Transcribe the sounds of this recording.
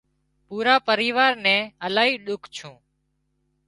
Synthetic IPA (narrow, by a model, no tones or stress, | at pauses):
puːɾaːpəɾiːʋaːɾnɛ̃ːəlaːɦiːɗʊkʰt͡ʃʰũː